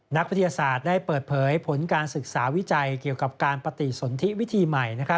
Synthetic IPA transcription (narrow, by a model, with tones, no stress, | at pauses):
na˦˥k̚wt̪ʰi˧jaː˧saː˨˩t̪̚daː˥˩jpɤː˨˩t̪̚pʰɤː˩˦jpʰo˩˦nkaː˧nsɯ˨˩k̚saː˩˦wi˦˥t͡ɕa˧jki˨˩əwka˨˩p̚kaː˧npɾa˧t̪i˨˩so˩˦nt̪ʰi˦˥wi˦˥t̪ʰiː˧ma˨˩jna˦˥kʰa˦˥